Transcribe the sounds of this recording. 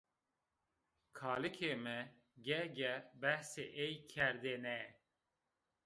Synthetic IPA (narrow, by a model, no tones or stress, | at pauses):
kʰɑːlɨkʰeːmɛ | ɡɛɡɛbɛhsḛːʔejkʰɛɾd̪enɛ